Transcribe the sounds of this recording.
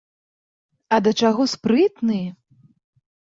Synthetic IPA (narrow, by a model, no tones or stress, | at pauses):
ɐd̪ɐt͡ʂaɣɔspɾɨt̪nɨjɛ